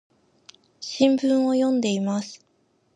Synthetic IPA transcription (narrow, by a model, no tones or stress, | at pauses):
ɕĩmbɯ̟̃ɰ̃o̞jõ̞nd̪e̞imasɨ̥